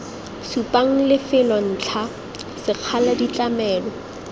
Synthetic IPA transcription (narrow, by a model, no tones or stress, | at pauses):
supʼaŋ̩lɪfɪlɔn̩ːt͡ɬʰa | sɪq͡χʰaladit͡ɬʼamɛːlɔ